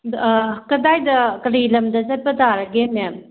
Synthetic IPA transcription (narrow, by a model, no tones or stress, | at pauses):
kɐdajdɐkɐɾilɐmdɐsaj̚pɐtaɾɐɡene